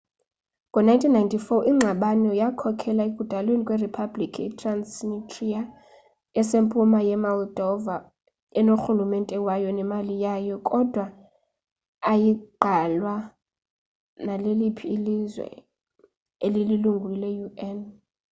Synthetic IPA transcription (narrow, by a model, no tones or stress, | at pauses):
kʼɔnajntʰinːajntʰifɔʔiŋ͡ǁʱaɓanɛjakʰɔkʰɛlaek̬ʼudʼʱalwenikʼweripʰablikʰitʰransnitʰʼria | ɛsempʼumajɛmɔld̥ʱɔva | ɛnoxulumɛntʼɛwajɔnɛmalijajɔkʼɔd̥ʱwa | jiɡ͡ǃʱalwa | nalelipʰiːlizwɛ̰ | elililuŋɡʱwilɛjuɛn